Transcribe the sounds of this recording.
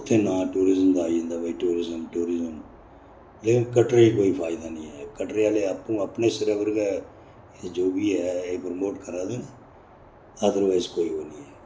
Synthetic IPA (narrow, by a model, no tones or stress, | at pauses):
ʊt̪ʰːeːnãːʈuːɾɪzəmd̪aːĩːnd̪aːbəiʈuːɾɪzəmʈuːɾɪzəm | leːkɪnkəʈɾeːiːkoːiːpʰaːɪd̪aːnĩːɦɛːkəʈɾeaːleːapːũːəpneːsɪɾɛːʋəɾkaː | d͡ʒoːbiːɦɛːeːpɾəmoːʈkəɾaːd̪eːne | əd̪əɾʋaːɪzkoːiːɦoːniːɦɛː